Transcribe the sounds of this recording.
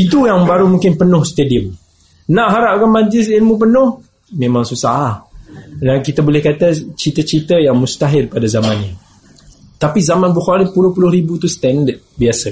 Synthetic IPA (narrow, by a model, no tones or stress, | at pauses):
it̪ujaŋbaɾumũŋkɪnpənʊhst̪ediəm | nãʔɦaɾaʔkamad͡ʒlɪs̬ilmup̬ənʊh | mẽmãŋsusahlahdankit̪abolɛhkat̪at͡ʃit̪ət͡ʃit̪əjaŋmust̪aɦɪrpadazamanɲa | t̪apizamanbuxaɾipulʊhpulʊhɾibut̪ust̪ɛndət̪̚biasə